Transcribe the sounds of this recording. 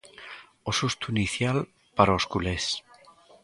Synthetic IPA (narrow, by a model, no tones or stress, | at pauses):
osust̪uiniθjal | paɾaoskules